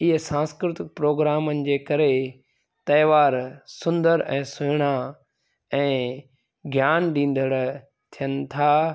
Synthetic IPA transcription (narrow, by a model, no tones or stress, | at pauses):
ɪɦsãːskɾɪt̪ɪk̚pɾoːɡɾaːmənɪ̆d͡ʑeːkɐɾe | t̪ɐːʋaːɾsʊ̃nd̪əɾʔɛ̃ːsʊɦɪɽ̃a | ɛ̃ː | ɡʱjaːnɗĩːn̆d̪ʱəɽ | t̪ʰijənɪ̆t̪ʰaː